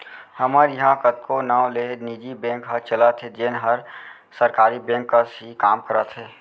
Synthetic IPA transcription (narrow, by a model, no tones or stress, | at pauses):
həməɾjəɦãkət̪kʰonaːw̃leniːd͡ʒibẽːŋkɦəɾt͡ʃələt̪ʰɦed͡ʒenɦəɾ | səɾkaːɾibẽːŋkːəsikaːmkəɾət̪ɦeː